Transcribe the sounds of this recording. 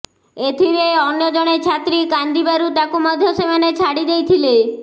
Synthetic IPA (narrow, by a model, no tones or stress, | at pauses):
et̪ʰiɾeɔnjɔd͡ʒɔɽ̃et͡ʃʰat̪ɾikand̪ibaɾut̪akumɔd̪ʱjɔsemanet͡ʃʰaɽid̪ejt̪ʰile